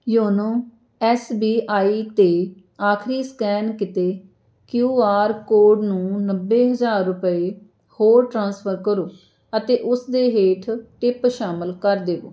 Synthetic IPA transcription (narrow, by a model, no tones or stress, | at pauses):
joːnõː | ɛːsbiːʔaːiːt̪eː | aːkʰɾiːskɛːnkɪt̪eː | kjuːaːɾkoːɖnũːnəbːeːɦəzaːɾːʊpəeː | hoːɾʈɾãːnspʰəɾkəɾoː | ət̪eːʔʊsd̪eːɦeːʈʰʈɪpʃaːməlkəɾd̪eːʋo̰ː